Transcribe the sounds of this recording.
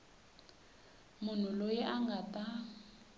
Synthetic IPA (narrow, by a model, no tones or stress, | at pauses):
mʊn̤ulojɛʔaŋɡatʼa